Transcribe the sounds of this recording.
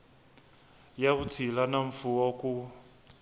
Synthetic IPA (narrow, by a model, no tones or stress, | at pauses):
jaβut͡sʰilanaɱ̩fuwɔku